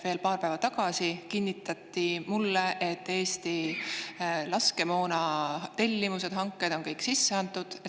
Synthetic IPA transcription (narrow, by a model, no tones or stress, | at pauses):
ve̞ːlpɑːrpævɑt̪ɑɡ̥ɑsikinʲːit̪ːˑɑt̪ˑːimulːeʔet̪ːe̞ːst̪i | lɑske̞mo̞ːnɑt̪e̞lʲːimuse̞d̪̥ɦɑŋkːˑe̞d̪̥o̞ŋkɤjksisːeɑnt̪ːˑud̪̥